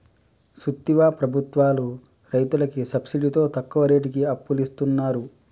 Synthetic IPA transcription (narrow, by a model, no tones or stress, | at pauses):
sut̪ːiʋaːpɾɐbʱut̪ʋaːlu | ɾɐjt̪ulɐkisɐbsiɖit̪o̞ːt̪ɐkːuʋɐɾeːʈikiɐpːulist̪unːaːɾu